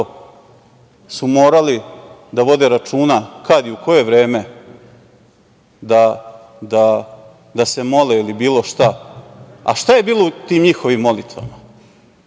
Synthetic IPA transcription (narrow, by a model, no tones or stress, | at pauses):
sumoːɾalid̪aʋo̞d̪e̞ɾat͡ʂuːnakad̪iuko̞je̞ʋɾe̞ːme̞ | d̪a | d̪a | d̪ase̞mo̞leilibiːlˠo̞ʃt̪a | a̰ʃt̪aje̞biːlˠot̪iːmɲixo̞ʋimːo̞lit̪ʋa̰ma